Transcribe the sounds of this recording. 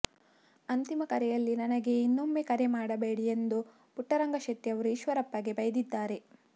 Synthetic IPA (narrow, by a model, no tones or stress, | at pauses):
ɐnt̪imɐkɐɾɛjɐlːinɐnɐɡe̞inːomːekɐɾemaːɽɐbeːɽijend̪u | puʈːɐɾɐŋɡɐʃɐt̪ːiɐʋɐɾuiʃʋɐɾɐpːɐɡe̞bɐjɐd̪id̪ːaːɾe̞